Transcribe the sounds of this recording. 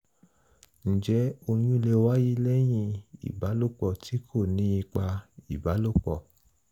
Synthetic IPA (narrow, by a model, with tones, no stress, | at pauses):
n̩˨d͡ʒɛ˨˦o˧j̃ũ˦i˧le˧wa˦ji˦lɛ˦j̃ĩ˧˨ḭ˨ba˨˦lo˦˨k͡pɔ˨tʰi˨˦kʰo˦˨nĩ˨˦i˧k͡pa˧i˨ba˨˦lo˦˨k͡pɔ˨